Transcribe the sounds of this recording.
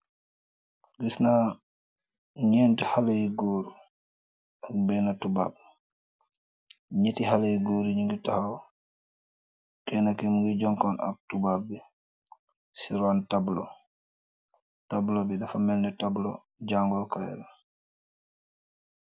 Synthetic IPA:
ɡisna | ɲɛntihalajiɡoːɾu | ak̚bɛnatuba̰ːb̚ | ɲetihalajiɡoːɾiɲiŋɡitahaw | kɛnakɛmuŋɡid͡ʒɔŋkɔna̰k̚tubab̚ːɛ | siɾantablɔ | tablɔbiɗafamɛlnɛtablɔ | d͡ʒaŋɡɔkaj̰ɾa

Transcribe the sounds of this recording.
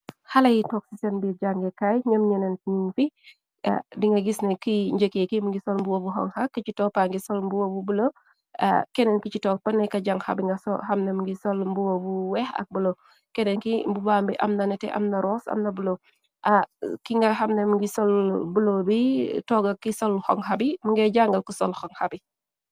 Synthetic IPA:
hɐlɐjitɔksisɛnbid͡ʒaŋɡɛkajɲəmɲɛnɛnɲuŋfi | a̰diŋɡɐɡisnɐkiɲɟəkekimŋɡisɔlmbuwobuɦɔ̰ŋhakːit͡ʃitɔːpaŋɡisɔlmbuwobubulo̰ | kɛnɛnkit͡ʃitɔːk̚pɐnːɛkɐɟaŋha̰biŋɡɐsɔ̰hɐmnemŋɡisɔlmbuwobuwɛxɐ̰k̚bulo | kɛnɛnkimbubaːmbiʔɐ̰mnɐnɛtɛ̰ʔɐ̰mnɐɾɔːsɐ̰mnɐbulo | ʔakiŋɡɐhɐmnemŋɡisɔlbulobitɔɡɐkisɔlxɔŋhabimuŋɡɛɟaŋɡɐlkusɔlxɔŋhabi

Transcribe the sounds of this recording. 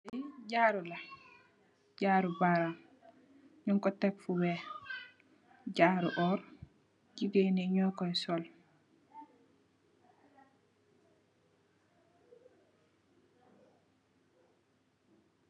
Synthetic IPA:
ɟaːɾula | ɟaːɾubaɾam | ɲuŋkɔtɛkfubɛ | ɟaːɾuʔɔːɾ | ɟiɡeniɲɔːkɔɛsɔl

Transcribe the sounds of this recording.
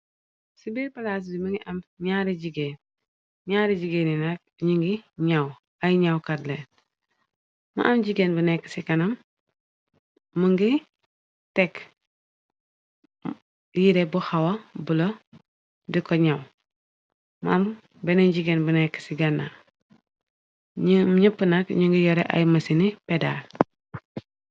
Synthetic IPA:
sibipalas̬dimuŋɡiʔamɲaɾiɟiɡeːn | ɲaːɾiɟiɡeːninak̚ | ɲiŋɡiɲaw | ajɲawkadle | ma̰ʔamɟiɡenbunekːə̥sikanam | uŋɡi | tɛk | jiɾebuxawɐbulo | dikɔɲaw | mam | bɛneɟiɡenbənɛkːə̥siɡɐnːa | ɲəpːənakɲuŋɡijɔɾḛʔa̰jmɐsinipɛda̰l

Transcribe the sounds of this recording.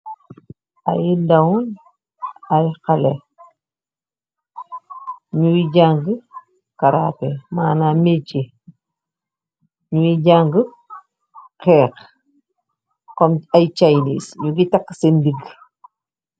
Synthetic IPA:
a̰jidawun | ajqale | ɲuwiɟaŋɡə | kaɾapemaːnamet͡ʃe | ɲuwiɟaŋɡə | kɛːk | kɔmajt͡ʃajnḭsɲuɡitakːsendiɡ

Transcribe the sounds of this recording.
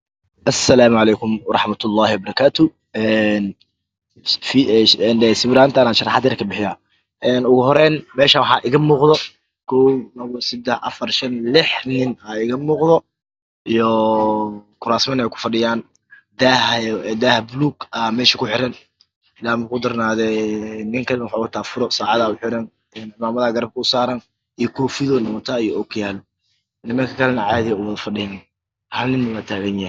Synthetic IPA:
ʔɐsːɐlaːmʊʕɑlɛːkʰʊmwɑɾˤɑħmɐt̪ʰʊlːɑːhɪwɐbɐɾˤɑkʰaːt̪ʰʊ | ɛn | fɛnɛsɪwɾaːnt̪ʰɐnaːʃɑrɑħɑd̪ɛɾkʰɐbɪħɪjaː | ɛːnʊɣʊɦɔɾɛːnmɛːʃɐwɑħɑːʔɪɣɐmuːqd̪ɔ | kʰɔwnɐβɔsɪd̪ɛħʔɐ̰fɐrʃɐnlɪħnɪnaɪɣɐmuːqðɔ | ijɔ | kʰʊɾaːsmɐnɛjkʰʊ̥fɐɖɪjaːn | d̪ahd̪ahbʊluːɡɐmɛːʃɐkʰʊħɪɾɐn | ɪlaːmʊkʰʊd̪ɐrnaːðɛnɪŋkʰɐlɛnɐwħawɐt̪ʰaːfʊɾɔsaːʕɑðaːʊħɪɾɐn | ɛnɪmaːmɐðaːɡɐɾɐb̚kʰʊʊsaːɾɐn | ijɔkʰɔːfɪðɔnɐwɔt̪ʰaːijɔɔkʰjaːl | nɪmɐŋkʰɐkʰɐlɛnɐʕɑːðɪjɐʊwɐðɐfɐɖɪjn | hɐlnɪnːɐwaːt̪ʰaːɣɐnjah

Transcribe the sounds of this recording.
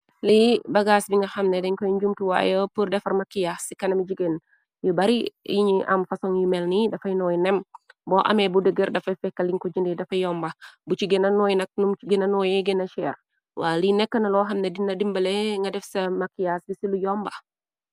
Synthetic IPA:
libɐɡasbiŋɡɐxɐmnedɛɲkɔjɲd͡ʒumtiwa̰ːjəpurdɛfɐɾmakːijasikɐnɐmid͡ʒiɡen | jubɐɾijiɲiʔɐ̰mfɐsɔŋjimɛlnidɐfɐjnɔjnɛmbɔʔɐ̰mɛbudəɡəɾdɐfɐjfɛkːɐliŋkɔd͡ʒindidɐfɐjɔmbɐbut͡ʃiɡenɐnɔjnɐk̚numɡenɐnɔːjɛɡenɐʃɛɾ | wa̰ːlinɛkːənɐlɔːɦɐmnedinːɐdimbəlɛŋɡɐdɛfsɐmakːijasbisilujɔmbɐ

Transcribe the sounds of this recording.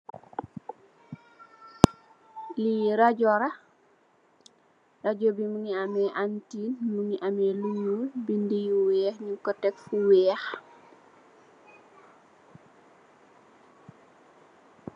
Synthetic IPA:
liɾaɟɔɾa | raɟobimuŋiamɛʔantiːnmuŋiʔamɛluɲulbindijuwɛːxɲuŋkɔtɛkfuwɛːx

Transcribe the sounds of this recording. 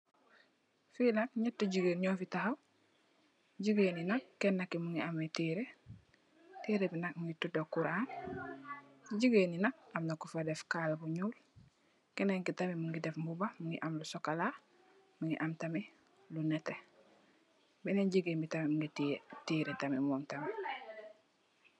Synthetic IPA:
filak̚ɲatːuɟiɡeɲoːfitahaw | ɟiɡeːninakːenːakːimuŋɡiametiːɾe | tiːɾebinak̚muŋɡitudokuɾaːn | ɟiɡeːninak̚amnakufadefkaːlbuɲuːl | keneŋkitamimuŋɡidefmbubamuŋɡḭʔamlusokala | muŋɡiʔamtami | lunete | bineɟiɡeːmbitamimuŋɡittiːɾetamimoːmtami

